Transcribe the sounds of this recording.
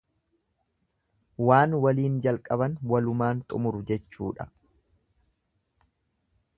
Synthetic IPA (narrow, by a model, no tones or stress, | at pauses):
waːnwɐliːnd͡ʒɐlkʼɐbɐnwɐlʊmaːnt̪ʼʊmʊɾʊd͡ʒɛt͡ʃːuːᶑɐ